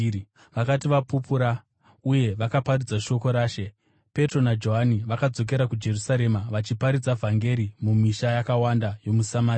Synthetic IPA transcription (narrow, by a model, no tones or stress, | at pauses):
ʋakatiʋapupuɾa | uje̞ʋakaparud͡zaʃo̞ko̞ɾaːʃe̞ | pe̞tro̞nad͡ʒo̞ɦaniʋakad͡zo̞k̬e̞ɾakud͡ʒe̞rusaɾe̞maʋat͡ʃipaɾid͡zavʱaŋɡe̞ɾimumiʃajakawandajo̞musamaːɾi